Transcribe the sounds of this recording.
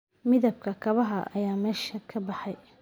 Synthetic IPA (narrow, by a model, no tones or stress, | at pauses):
mɪðɐb̚kʰɐkʰɐβɐɦɐʔɐjaːmɛːʃɐkʰɐbɑħɑj